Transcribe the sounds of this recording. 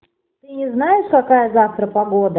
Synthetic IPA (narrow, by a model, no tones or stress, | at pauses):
t̪ɨnʲɪznajɪʂkɐkajəzaft̪ɾəpɐɡod̪ə